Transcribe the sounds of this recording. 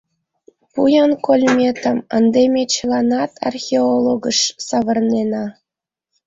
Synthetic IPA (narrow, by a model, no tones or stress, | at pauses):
pujɑnkolʲmʲet̪əmənd̪emʲet͡ɕəlˠɑnɑt̪ʰɑ̰rxʲeolˠoɡəʃsɑβə̆rnenɑ